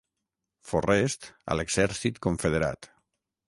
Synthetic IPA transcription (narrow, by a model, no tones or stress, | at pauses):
forest̪ə̰leɡz̥ɛɾsit̪koɱfeð̞eɾa̰t̪